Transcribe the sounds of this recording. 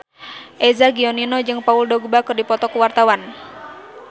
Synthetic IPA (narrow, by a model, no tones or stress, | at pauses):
ʔɛzaɡiɔninɔd͡ʒɨŋpauldɔɡ̚bakɨrdipɔt̪ɔkuwart̪awan